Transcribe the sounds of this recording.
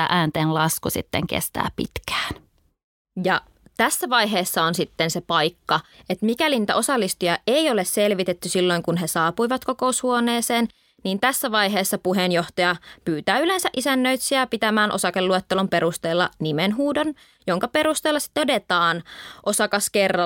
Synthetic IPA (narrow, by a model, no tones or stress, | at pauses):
æ̰ʔæːnt̪eːnlɑskusḭt̪ːeŋkḛst̪æ̰ːpḭt̪kæ̥ːn | jɑ | t̪æsːæʋɑjɦeːsːɑonsit̪ːensepɑjkːɑet̪mikæliniːt̪æ̰ʔo̞sɑlːist̪ujɑʔeijo̞lesselʋit̪et̪ːysilːo̞jŋkunɦe̞sɑːpuiʋɑt̪ko̞ko̞ushuone̞ːseːn | niːnt̪æsːæʋɑjɦeːsːɑpuɦenjo̞ht̪ɑjɑpyːt̪æːylensæʔisænːø̞ijt̪siɑpit̪æmæːnʔo̞̰sɑkelːuot̪ːelumpe̞ɾust̪eːlːɑ̰nimenɦuːdon | jo̞ŋkɑpe̞ɾust̪eːlːɑsi̥t̪ːeode̞t̪ɑːnʔo̞sɑkɑskerːɑ